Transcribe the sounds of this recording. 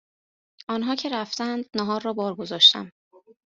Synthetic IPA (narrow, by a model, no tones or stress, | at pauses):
ʔɒːnɦɒːcʰe̞ɾæft̪ænd̪næɦɒːɾrɒːbɒːɾɡo̞zɒːʃt̪æ̰m